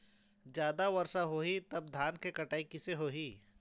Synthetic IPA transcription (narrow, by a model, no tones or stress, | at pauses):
d͡ʒjaːd̪aʋɐɾʃaɦoːɦit̪ɐb̚d̪ʱaːnkekɐʈaːikɪseɦoːɦiː